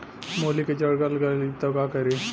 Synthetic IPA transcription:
moliked͡ʑəɽɡalɡalit̪akakəɾe

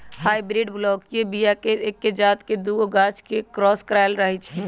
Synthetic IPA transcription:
haibɾiɖblɔːkjebijakeekːed͡ʒaːt̪ked̪uoɡat͡ʃkekɾɔːskɾajlɾəɦɛt͡ʃʰ

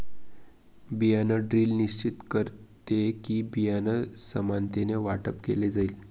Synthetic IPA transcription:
bijanəɖɾiːlniɕt͡ɕit̪kəɾt̪ekiːbijanəsəmant̪eneʋaʈəpkeled͡zaiːl

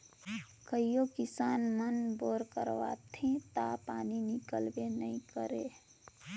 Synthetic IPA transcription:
kəijokisanmənboɾkə̰ɾʋa̰t̪ʰẽt̪apaninikəlbenəikəɾe

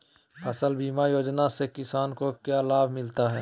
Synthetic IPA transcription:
ɐsəlbiːmajoːd͡ʒnasekɪsaːnkokjaːlaːbʱmɪlt̪aɦɛː

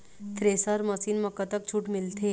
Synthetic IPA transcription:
t̪ɾeːsəɾmɐsiːnmɐkːat̪ɐk̚t͡ʃʰuːʈmɪlt̪ʰe

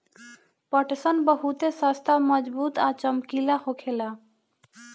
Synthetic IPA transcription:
pəʈsənbəɦut̪esast̪ʰaməd͡ʒbuːt̪at͡ʃəmkilahokʰela

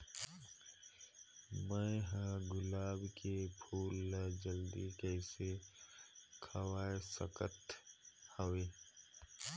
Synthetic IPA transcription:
mə̃ɦə̃ɡʊlaːbkepʰuːld͡ʒəld̪ikɛɪse | kʰəwaːesə̰kət̪həʋeː

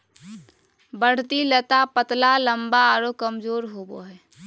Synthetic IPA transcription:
bəɽ̤t̪ilɛt̪apət̪laləmbaɾokəmd͡ʒoːɾɦobo̰ɦɛː

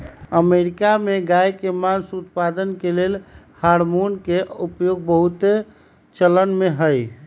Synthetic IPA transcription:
əmeɾikameɡajkemansut̪̚pad̪ənkelel | haɾmonkeupjoɡ̚bəɦut̪e | t͡ʃələnmeɦəj

